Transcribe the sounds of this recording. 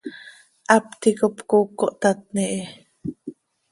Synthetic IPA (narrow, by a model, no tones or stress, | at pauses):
ʔapt̪ikopkokːoʔt̪at̪̚niʔe